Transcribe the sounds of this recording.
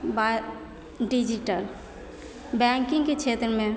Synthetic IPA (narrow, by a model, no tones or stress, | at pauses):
ba | ɖid͡ʒiʈəl | bɛŋkĩŋɡket͡ʃʰet̪ɾəmẽ